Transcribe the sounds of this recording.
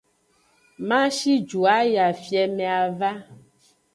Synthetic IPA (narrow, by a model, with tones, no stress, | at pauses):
mã˦ʃi˦d͡ʒu˨a˦ja˨fi˨ɛ˨mɛ̃˨a˨va˦